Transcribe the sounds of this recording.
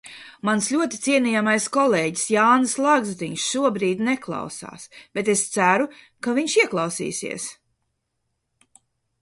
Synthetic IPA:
mansʎʲuɔt̪it̪siɛniːjamajskɔleːɟi̥sjaːnɨslˠaɡzt̪iɲsʃuɔbɾiːd̪neklˠɑ̰wsa̰ːsb̥et̪̬est̪sæɾu | kaviɲʃiɛklˠɑwsḭːsḭɛs

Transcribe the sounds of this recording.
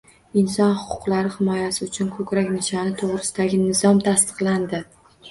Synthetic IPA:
ɪnsɒnhʊ̥qʰʊ̥qlaɾɪhɪmɒjasɪʊt͡ʃʰʊnkʰɵkʲɾakʲnɪʃanɪt̪ʰoʁɾɪsɪd̪aɡʲɪnɪzɒmt̪ʰast̪ɨ̥qlˠand̪ɪ

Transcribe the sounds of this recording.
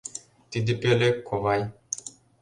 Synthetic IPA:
t̪id̪ipelekʰoʋaj

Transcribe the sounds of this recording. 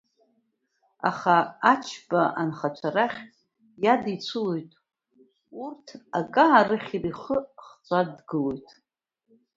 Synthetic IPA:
a̰χaat͡ʃʰbaʔanχat͡ʃʷʰaɾaχʲ | jadit͡sʷʰɨlo̞jtʼ | urtʰa̰kʼaːrɨχʲiriχəχt͡sʷʼadɡɨlo̞jtʼ

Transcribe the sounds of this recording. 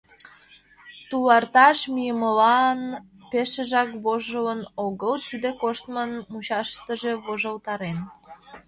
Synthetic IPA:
t̪ulɑrt̪ɑʃmijəməlɑn | peʃəʒɑkβoʒələnoɣəlt̪id̪ekoʃt̪mənmuɕɑʃt̪əʒe̽βoʒəlt̪ɑɾen

